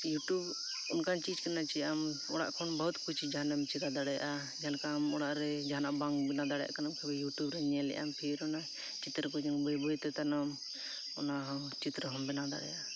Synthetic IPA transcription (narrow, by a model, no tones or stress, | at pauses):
juʈub | unkʰant͡ʃid͡ʒkanat͡ʃɛam | ɔɽa̰ʔkʰɔnbəɦut̪kʰut͡ʃʰid͡ʒaanamt͡ʃiɾad̪aɽɛja̰ʔa | d͡ʒalkamɔɽaʔɾɛd͡ʒaɦnaʔbaŋbɛnad̪aɽɛja̰kanamkʰɛbɛjuʈubɾɛɲɛlɛ̰ʔa̰mpʰiɾɔna | t͡ʃit̪ɾəkɔd͡ʒaŋbɔjbɔjt̪ɛt̪anɔm | ɔnaɦɔ | t͡ʃit̪ɾəɦɔmbɛnad̪a̰ɽɛjaa